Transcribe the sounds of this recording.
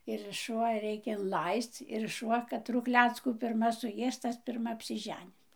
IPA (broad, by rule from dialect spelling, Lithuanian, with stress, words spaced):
ɪr ʃʊˈʋɐ ˈrʲɛɪkʲɛ ɪnˈlˠɐɪst͡s ɪr ʃʊˈʋɐ kɐˈtrʊ ˈklʲæːt͡skuː pʲɪrˈmɐ sʊˈjeːs ˈtɐs pʲɪrˈmɐ ɐpʲsʲɪˈʒʲæːnʲɪs